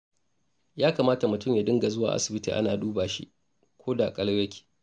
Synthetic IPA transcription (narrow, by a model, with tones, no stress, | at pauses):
jaː˦kaː˨maː˦ta˨mʊ˨tʊ˦mjaː˨dɪ˦ŋɡa˨zʊ˦wa̰ː˨ʔa̰˦sɪ˨bɪ˦tḭ˨ʔa˦naː˨duː˦baː˨ʃḭ˦ʔ | kʷʰoː˦da˨kʼɐ˦ljɐ˦kʲʰi̥ː˨